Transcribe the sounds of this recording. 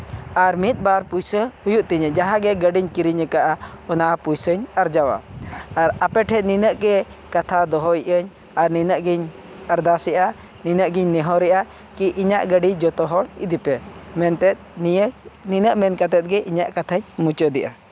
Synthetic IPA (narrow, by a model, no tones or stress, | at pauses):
aɾmit̪̚ˀbaɾpujsəhujuʔt̪iɲɛd͡ʒaɦaɡɛɡəɖiɲkiɾiɲəkaʔaɔnaʔapujsəɲəɾd͡ʒawa̰aɾapɛʈʰɛt̪̚ninəʔɡɛ | kat̪ʰad̪ɔɦɔiʔəɲ | aɾninəʔɡiɲ | əɾd̪asɛʔa | ninəʔɡiɲnɛɦɔɾɛʔa | kiʔiɲaʔɡəɖid͡ʒɔt̪ɔɦɔɽḭd̪ipɛmɛnt̪ɛt̪̚ijəninəʔmɛnkat̪ɛt̪̚ɡɛʔiɲaʔkat̪ʰaɲmut͡ʃəd̪ɛʔa